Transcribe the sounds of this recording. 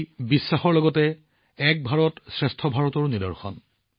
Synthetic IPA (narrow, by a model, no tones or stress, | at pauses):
bisːaxɔɹlɔɡɔtɛ | ɛk̚bʱaɹɔtsɹɛstʰɔbʱaɹɔtɔɹnidɔ̰ɹxɔ̰n